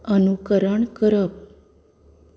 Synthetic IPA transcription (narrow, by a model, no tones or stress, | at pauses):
ənukəɾəɳkəɾəp̚